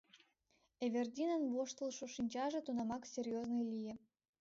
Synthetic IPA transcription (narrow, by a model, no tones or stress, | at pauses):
evʲerd̪ʲinənβoʃt̪əlˠʃuʃinʲt͡ɕɑʒĕt̪unɑmɑksʲerʲjoznəjlʲijĕ